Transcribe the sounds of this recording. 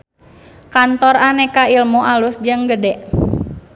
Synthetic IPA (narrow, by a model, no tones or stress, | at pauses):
kant̪ɔranɛkailmuʔalusd͡ʒəŋɡədɛʔ